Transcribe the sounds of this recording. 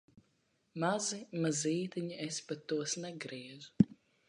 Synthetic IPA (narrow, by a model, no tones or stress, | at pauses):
mazimaziːt̪iɲiespat̪ːuɔsnɛɡɾiɛzu